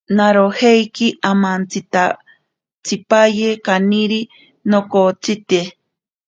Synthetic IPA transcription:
naɾohejkiʔamant͡sit̪a | t͡sipajekaniɾi | nokot͡sit̪e

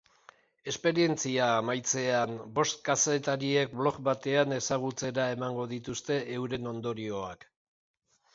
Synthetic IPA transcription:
e̞spe̞ɾie̞nt͡siaːmajt͡se̞anbo̞st̪̚kase̞t̪aɾie̞k̚blo̞kbat̪e̞ane̞saɣ̞ut͡se̞ɾae̞maŋɡo̞ðit̪ust̪e̞ewɾe̞no̞nd̪o̞ɾio̞a̰k

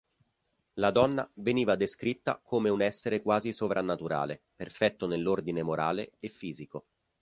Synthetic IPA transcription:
lad̪ɔnːa̰veniːvad̪eskɾit̪ːa̰komeunɛsːeɾekwaːzisovɾʔanːat̪uɾa̰ːle | perfɛt̪ːonelːord̪inemoɾʔaːleefːiːziko

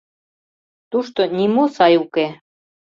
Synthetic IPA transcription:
t̪uʃt̪onʲimusɑjuke

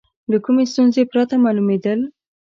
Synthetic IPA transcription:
lakumest̪unzepɾat̪amɑlumed̪əl

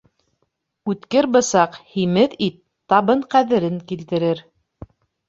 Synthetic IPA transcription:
ʉt̪kɘɾbɤ̆sɑqhimɘðit̪ːɑβɤɴqæðɘ̆ɾɘŋkilt̪ɘ̆ɾɘɾ

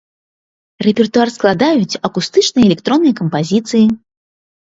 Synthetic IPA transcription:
rɛpʲɛrt̪uarsklˠad̪ajut͡sʲɐkust̪ɨt͡ʂnɨjɐɛlʲɛkt̪ɾɔnːɨjɐkɐmpazʲit̪sɨji

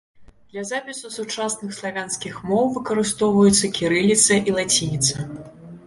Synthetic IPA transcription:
d̪̥lʲɐzapʲisusut͡ʂasnɨxslˠavʲanskʲixmɔwvɨkɐɾɨst̪ɔwvɐjut̪sːɐkʲiɾɨlʲit̪sɐʔilˠat͡sʲinʲit̪sɐ

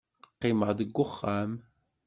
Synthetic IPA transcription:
qːɪməʁðəɡʷːʊχːam

